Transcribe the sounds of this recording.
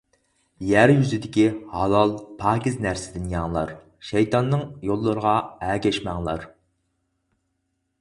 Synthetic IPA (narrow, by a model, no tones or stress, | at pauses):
jæɾjyzɪd̪ɪkʲihɑlˠɑlˠpʰɑːkʲiznæɾsɪd̪ɪnjɑŋlˠɑ̰ɾ | ʃɛjt̪ɑnːɨŋjolˠːəɾəʁɑɛːɡʲɛʃmɛŋlˠɑ̰ɾ